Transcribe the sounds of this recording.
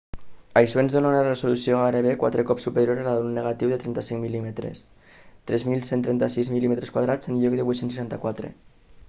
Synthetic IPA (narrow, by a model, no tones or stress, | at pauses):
ajsoenzðonaunarezulusioaɾeβekwa̰t̪ɾekɔpsupeɾjoɾelaunːeɣat̪iwðət̪ɾɛnt̪asiŋmilimet̪ɾḛs | t̪ɾɛzmilˠsent̪ɾɛnt̪asizmilimet̪ɾeskwaðɾad͡zənʎɔk̚d̪əβujt̪sense̥ʃant̪akwat̪ɾḛ